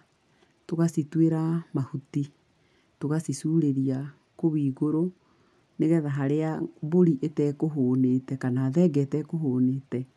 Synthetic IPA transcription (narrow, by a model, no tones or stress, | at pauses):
toɣasitweɾamahuti | toɣasisuːɾeɾia | koβiːɣoɾo | neɣɛðaɦaɾeaboɾiʔetɛːkoɦoːnetɛkanaðɛɡɛtɛkohoːneːtɛ